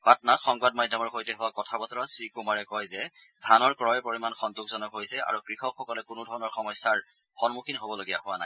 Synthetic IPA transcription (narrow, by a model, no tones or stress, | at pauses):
batnatxɔŋbadmadʱːɔmɔɹxojtɛɦʊwakɔtʰabɔtɔɹɔsɹikumaɹɛkɔjzɛ | dʱanɔɹkɹɔjɛpoɹimanxɔntukzɔnɔkɦojsɛa̰ɹukɹixɔkxɔkɔlɛkʊnʊdʱɔɹɔnɔɹxɔmɔjsaɹ | xɔnmukʰinɦobɔloɡija̰ɦʊwana̰j